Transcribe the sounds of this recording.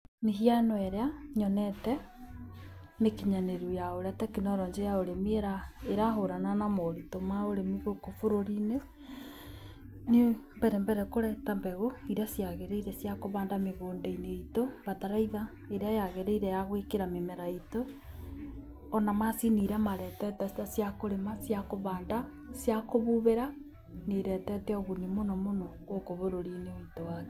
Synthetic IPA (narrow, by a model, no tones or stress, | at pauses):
meɦianɔɛɾeaɲɔnɛtɛ | nekiɲaneɾujaoɾeatɛkinɔɾɔɲd͡ʒɛjaoɾemieɾaeɾaɦoɾananamoɾitomaoɾemiɣokofoɾoɾine | nimbɛɾɛmbɛɾɛkoɾɛtambɛɣoiɾasjaɣeɾeiɾɛsjakoβaːndameɣoːndeineitoβataɾaiða | eɾeajaɣeɾeiɾejaɣwekeɾamemeɾaito | namasiniɾamaɾɛtɛtatasjakoɾemasjakoβaːnda | sjakoβuβeɾa | neɾɛtɛtɛoɣunimonomonɔɣokoβoɾoɾineitowake